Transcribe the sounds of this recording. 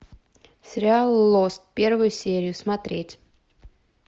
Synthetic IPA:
sʲɾʲalˠlˠɔst̪pʲiɾvujsʲiɛɾijusmat̪ɾʲiːt̪ʲ

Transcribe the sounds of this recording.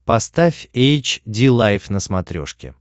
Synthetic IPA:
pɐst̪afʲejt͡ɕdʲilˠajfnəsmɐt̪ɾʲo̰ʂkʲɪ̰

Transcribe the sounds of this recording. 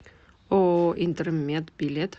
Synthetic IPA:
oːʔɪnt̪əɾəmeːt̪bɪlɛt̪

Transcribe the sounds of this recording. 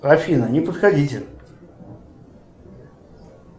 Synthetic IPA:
ɾɐfʲinənʲɪpət̪xadʲitʲɪ

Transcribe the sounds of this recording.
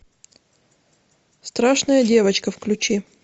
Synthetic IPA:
st̪ɾaʂnəjədʲe̞vət͡ɕkəfklʲʉt͡ɕi

